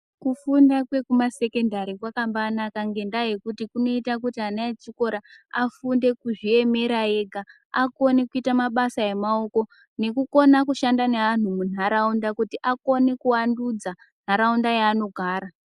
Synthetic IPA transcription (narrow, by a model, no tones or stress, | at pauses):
kufundakwe̞kumase̞ke̞ndaɾikwakambanakaŋɡe̞ndajekutikuno̞itak̬utiɦanaet͡ʃiko̞ɾaafunde̞kuʐie̞me̞ɾae̞ɡʱa | ako̞nekuitamaɓasae̞mao̞ko̞ | ne̞kuko̞nakuʃandanean̤umun̤aɾaundakutiʔako̞nekuwandud͡za | n̤̥ɦaɾaundajaːno̞ɡʱaːɾa